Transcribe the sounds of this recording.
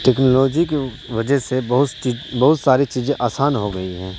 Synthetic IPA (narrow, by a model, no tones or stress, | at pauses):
ʈɛːknoloːd͡ʒike | ʋɐd͡ʒəɦsebɐɦʊt̪t͡ʃiːbɐɦʊt̪saːɾit͡ʃiːzẽʔaːsaːnɦoɡɐiɦɛ̃ː